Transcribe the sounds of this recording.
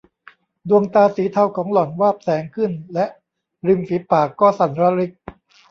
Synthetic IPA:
du˧əŋt̪aː˧siː˨˩˦t̪ʰa˧wkʰɔː˩˦ŋlɔ˨˩˦nwaː˥˩p̚sɛː˩˦ŋkʰɯ˥˩nlɛ˦˥ʔ | ɾi˧msiː˨˩˦paː˨˩kːɔː˥˩sa˨˩˦nɾa˧ɾi˦˥k̚

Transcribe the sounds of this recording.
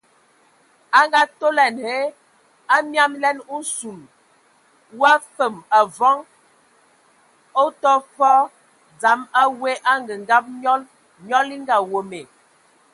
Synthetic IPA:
a˦ŋɡa˦to˦lɛ˨nhe˦ | a˦mja˦mlɛ˦nu˦su˨l | wa˦fə˨ma˨vɔ˦ŋ | o˦tɔ˦fɔ˦ | d͡za˨˦ma˦we˦ʔa˦ŋɡə˨ŋ˨ɡa˦p̚ɲɔ˦l | ɲɔ˦li˦ŋ˦ɡa˨wo˨me˨

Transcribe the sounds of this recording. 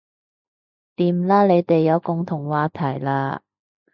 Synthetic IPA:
t̪iː˨˧mlaː˥le˨˧jt̪e˨jːɐ˨˧wkʊ˨ŋt̪ʰʊ˨˩ŋwaː˨˧t̪ʰɐ˨˩jlaː˧

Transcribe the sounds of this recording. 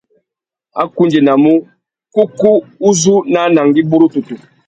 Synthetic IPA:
a̰˦ku˦nd͡ʒi˨na˨mu˦ | ku˦ku˦u˦zu˦na˦na˨ŋɡi˦bu˦ɾu˦tu˨tu˨

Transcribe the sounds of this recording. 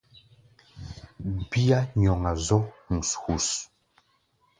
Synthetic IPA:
bi˦a˦ɲ˨ɔ˨ŋa˨zɔ˦ŋ̩˨shu˨s

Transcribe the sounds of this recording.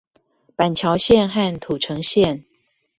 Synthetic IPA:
pa˨˩nt͡ɕʰjɑ˨˧˦ʊɕjɛ˥˨nxa˥˨nt̪ʰu˨˩ʈ͡ʂʰɤ˧˦ŋɕjɛ˥˨n

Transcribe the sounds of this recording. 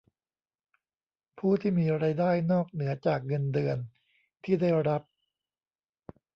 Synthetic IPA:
pʰuː˥˩t̪ʰiː˥˩miː˧ɾaː˧jdaː˥˩jnɔː˥˩k̚nɯ˩˦ɐt͡ɕaː˨˩k̚ŋɤ˧ndɯ˧ən | t̪ʰiː˥˩da˥˩jɾa˦˥p̚

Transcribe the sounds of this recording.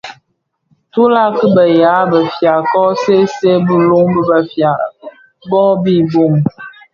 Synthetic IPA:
tu˦la˦˨kə˦bə˨ja˨˦bə˨fja˨kɔ˦se˦se˦bə˦lu˦ŋbə˦bə˨fja˨ | bɔ˦bi˦˨bo˦˨ŋ

